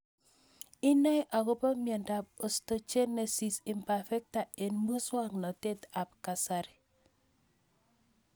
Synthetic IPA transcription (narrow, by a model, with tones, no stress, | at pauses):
i˦na˦ʔa˨ko˦pa˦mja˨nda˨p̚o˨sto˨t͡ʃe˦ne˨si˨si˨mpa˨fɛ˦k̚ta˨e˨nmu˦swa˦ŋnɔ˨te˦ta˨p̚ka˨sa˨ɾi˨